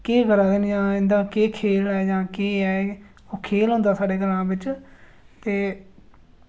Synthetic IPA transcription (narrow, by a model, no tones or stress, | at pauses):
keːɡəɾaːd̪eːnd͡ʒãːɪ̃nd̪aːkeːkʰeːlɛːd͡ʒãːkeːɛː | oːkʰeːlɦõːnd̪aːsaːɖeːɡəɾãːbɪt͡ʃ | t̪eː